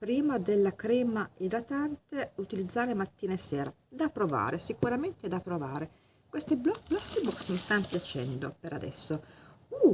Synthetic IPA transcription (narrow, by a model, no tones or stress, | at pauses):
pɾiːmad̪elːakɾɛːmaiɾat̪ant̪eut̪ilid̪zːaːɾemat̪ːiːnaesɛːɾa | d̪apːɾova̰ːɾesikuɾament̪ed̪apɾovaːɾe | kwest̪eblɔblɔsibɔksmist̪anopjat͡ʃɛ̰nd̪opeɾad̪ɛ̰sːou